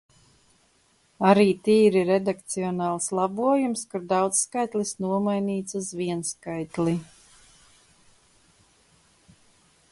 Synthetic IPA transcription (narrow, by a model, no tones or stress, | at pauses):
aɾiːt̪iːɾiɾed̪ak̚t̪siɔnɑːlˠslˠɑbuɔjumskuɾd̪awt̪sːkajt̪lˠisnuɔmajniːt̪suzviɛnskajt̪lˠi